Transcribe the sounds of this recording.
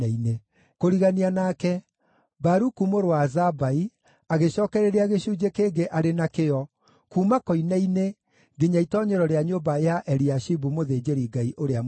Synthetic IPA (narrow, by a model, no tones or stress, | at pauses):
aine | koɾiɣanianakɛ | baɾukumoɾowazabai | aɣeʃɔːkɛɾeɾeaɣeɕuːd͡ʑekeːŋɡeʔaɾenakeɔ | kuːmakɔinaine | ɡeɲaitɔɲɛɾɔɾeaɲobajaʔɛɾiaʃibumoðeːd͡ʑeɾiɡaiʔoɾea